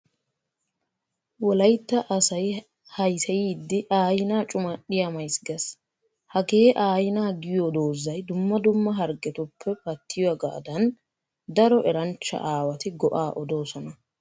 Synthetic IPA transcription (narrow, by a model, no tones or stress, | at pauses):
wɔlɐjt̪ːɐʔɐsɐj | hɐjsɛjiːd̪ːɪʔaːjɪnaːt͡ʃʼʊmɐɗɪjamɐjsɡɐs | hɐɡe̞ːʔaːjɪnaːɡɪjod̪oːzːɐjd̪ʊmːɐd̪ʊmːɐɦɐɾɡɛt̪ʊpʰːɛpɐt̪ʰːɪjwɐɡa̰ːd̪ɐn | d̪ɐɾɔʔɛɾɐnt͡ʃːɐ̰ʔaːwɐt̪ɪɡɔʔaːʔɔd̪o̞ːsɔnɐ